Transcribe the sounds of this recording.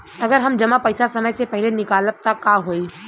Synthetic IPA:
ɐɡəɾɦɐmd͡ʒɐmapɐɪsasɐməjsepɛɦɪlenɪkaːləp̚t̪akːaɦoːi

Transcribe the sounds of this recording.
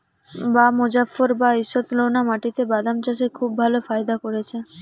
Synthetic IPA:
bamod͡ʑafoɾbaiʃot̪lonamaʈit̪ebad̪amt͡ɕaʃ̬ekʰubːʱalofajd̪akoɾet͡ɕʰe

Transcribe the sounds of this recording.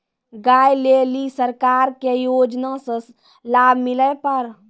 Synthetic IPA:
ɡaːjlelisəɾkaːɾkejoːd͡ʒnasə̃ | laːbʱmɪləpəɾ

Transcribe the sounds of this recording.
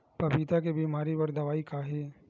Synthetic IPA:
pɐbit̪akebiːmaːɾipɐɾd̪ɐʋaːikaɦɛː

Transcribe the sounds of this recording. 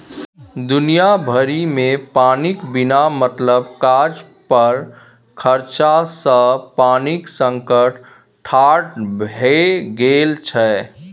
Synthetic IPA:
d̪ʊnijabʱəɾimẽpaːnikbɪnamət̪ləb̚kad͡ʒ | pəɾ | kʰəɾt͡ʃasəpaːniksə̃ŋkəʈ | ʈʰaʈbʱeɡelt͡ʃʰɛ

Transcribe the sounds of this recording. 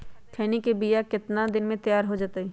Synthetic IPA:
kʰɛːnikebijakɪt̪nad̪ɪnmẽt̪ɐjaːɾɦod͡ʒaːt̪eiː

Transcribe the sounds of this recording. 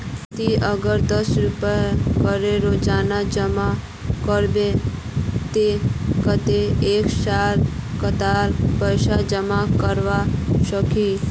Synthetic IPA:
t̪iəɡəɾd̪əsɾupəkəɾeɾod͡ʒanad͡ʒəma | kəɾbe | t̪ekət̪eekʃaɾkət̪aɾpəjʃad͡ʒəmakəɾʋaʃəki

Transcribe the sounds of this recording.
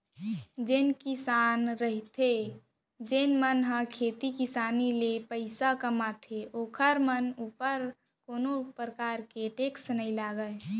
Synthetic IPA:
d͡ʒɪnkɪsaːnɾəɦit̪ʰe | d͡ʒenmənɦə̃kʰeːt̪ikɪsaːnilepəɪsakəmat̪ʰeʔoːkʰəɾmənuːpəɾ | koːnopɾəkaːɾkeʈeːksnəilaːɡə

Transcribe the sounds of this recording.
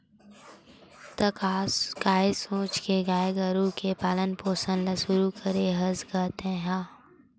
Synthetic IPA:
t̪ɐkakaːisõːt͡ʃkeɡaːəɡəɾukepaːlənpoːsə̃nlɐsʊɾukʰəɾeɦəzɡəːt̪ẽːɦãː

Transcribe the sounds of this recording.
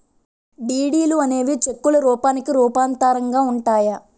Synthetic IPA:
ɖiːɽiːluɐne̞ːʋit͡ʃekːulɐɾuːpaːnikiɾuːpaːnt̪aːɾɐŋɡaːuɳʈaːjɐ

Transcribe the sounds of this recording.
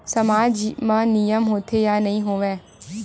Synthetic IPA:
sɐmaːd͡ʒmãːnijəmɦoːt̪ʰejanɐɦĩɦoːʋẽː

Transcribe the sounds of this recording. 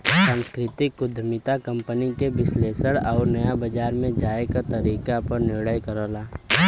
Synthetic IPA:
sãːnskɾɪt̪ɪkːʊd̪ʱəmɪt̪akɐ̃mpənikebɪsleːsəɽɔːɾnɐjabɐd͡ʒaːɾmẽd͡ʒaːekat̪ɐɾiːkapɐɾnɪɾɽəjkɐɾoːlaː

